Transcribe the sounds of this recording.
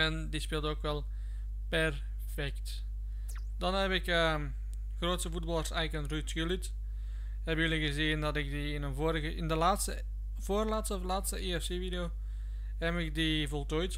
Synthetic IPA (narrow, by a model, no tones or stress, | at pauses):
ɛndispeːlˠtoːkʋɛlˠ | pɛr | fɛkt | dɑnɦɛbpɪkə | ɣroːtsəvud̚bɑlˠərsɛjkənrytɡylit | hɛbjəliɣəziːndɑtɪkdiɪnəvɾɣəɪndəlaːtstə | v̥oːrlaːtslaːtstəʔiɛfseːvideoː | ɦɛmɪk̚divɔlˠtoːjt